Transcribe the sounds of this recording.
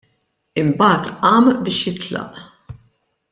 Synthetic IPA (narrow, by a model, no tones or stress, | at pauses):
ɪmbɐːt̪ɐːmbɪːʃjɪt̪lɐ̰ʔ